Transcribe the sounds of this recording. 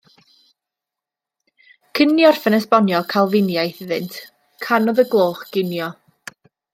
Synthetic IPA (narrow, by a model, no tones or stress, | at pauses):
kʰənjɔrfənɛsbɔnjɔkʰalˠvɪnjajθɪðɪntʰ | kʰanɔðəɡlˠoːχɡ̥ɪnjɔ